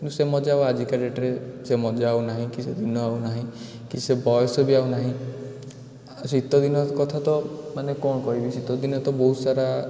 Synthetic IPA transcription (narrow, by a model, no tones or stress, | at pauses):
kinʈũsemɔd͡ʒaad͡ʒikaɾeʈɾesemɔd͡ʒaːunaɦĩkised̪inɔawnaɦĩ | kisebɔjɔsɔbiawnaɦĩ | sit̪ɔd̪inɔkɔt̪ʰat̪ɔmanekɔɽ̃ɔkɔibisit̪ɔd̪inɔt̪ɔbɔɦusaɾa